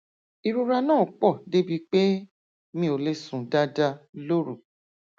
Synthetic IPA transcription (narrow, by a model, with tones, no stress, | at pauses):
i˨ɾu˧ɾa˧nãː˦˨k͡pɔ˦˨de˦bi˧k͡pe˦ | mĩ˧o˧le˦sũ˨da˦da˧lo˦ɾu˦˨